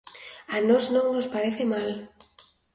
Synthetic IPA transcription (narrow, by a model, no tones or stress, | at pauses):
anoznõŋnospaɾeθemal